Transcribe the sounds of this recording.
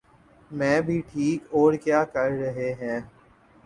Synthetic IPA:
mɛ̃ːbʱiːʈʰiːkɔːɾkjaːkəɾɾəɦeɦɛ̃ː

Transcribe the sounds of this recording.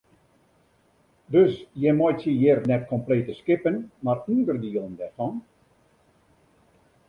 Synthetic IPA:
døsjɛmɔjtjəjɪrnɛtkʰompleːtəskɪpənmaryndərdiəlˠəndɛrfɔn

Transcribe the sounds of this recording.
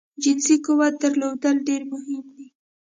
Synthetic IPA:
d͡ʒɪnsikuwat̪̚d̪əɾlod̪əlɖeɾmʊɦɪmd̪i

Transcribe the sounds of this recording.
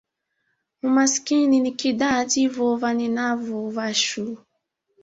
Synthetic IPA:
umaskininikidativɔvaninavɔvaʃu

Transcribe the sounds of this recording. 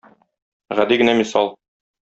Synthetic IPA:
ʁæd̪iɡɘ̆næmisɑlˠ

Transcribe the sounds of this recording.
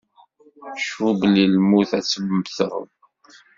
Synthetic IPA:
ʃublilmuθæt͡sːəməmθəʁ̰m

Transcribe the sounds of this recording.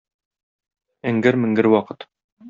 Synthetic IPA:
ɘ̆ŋɡɘɾmɘ̆ŋɡɘɾwɒqɤt̪

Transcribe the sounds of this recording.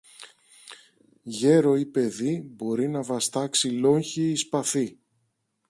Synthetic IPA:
ʝe̞ɾo̞ipe̞ðibo̞ɾinɐvɐst̪ɐksilo̞ɲçiːspɐθi

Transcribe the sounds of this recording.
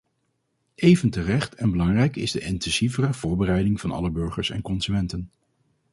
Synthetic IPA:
ʔejvəntərɛχtɛnbəlɑŋrɛjkɪzdəʔɪntɛnsivərəv̥ʊːɹbərɛjdɪŋvɑnɑ̰ləbɵɹχəɹsɛ̰nkɔnzymɛntən

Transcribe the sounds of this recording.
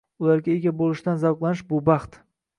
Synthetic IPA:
ʊlaɾɡʲaeɡʲabolˠɪʃd̪anzawqlˠanɪʃbʊbɑχt̪

